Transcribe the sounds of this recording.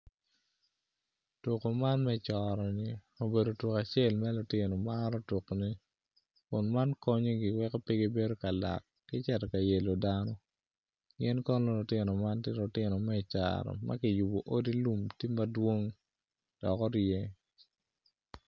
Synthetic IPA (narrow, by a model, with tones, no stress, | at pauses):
to˨ko˨ma˦nmɛ˦t͡ʃɔ˨ɾɔ˨nɪ˨ | o˨be˨do˨to˨ka˨t͡ʃɪe˦˨lmɛ˦lʊ˨tɪ˨nɔ˨maɾɔ˦to˨kni˦ | kʊ˨nma˦nkɔ˦ɲo˦ɡɪ˨wɛ˦kɔ˦pi˦ɡi˦be˦do˦ka˨la̰˨kːɪ˦t͡ʃɛ˨tɛ˨ka˨je˨lo˨danɔ˦ | ɡɪ˦nkɔ˦nlɔ˦lʊ˨tɪ˦nɔ˨ma˦ntɪ˦lʊ˨tɪ˦nɔ˨mɛ˦t͡ʃa̰ɾɔ̰˨ma̰˦kɪ˨ju˨bo˨ʔo˦di˦lu˦mti˦ma˦dwo˦ŋ | d̥ɔ˨kɔ˦ɾje˦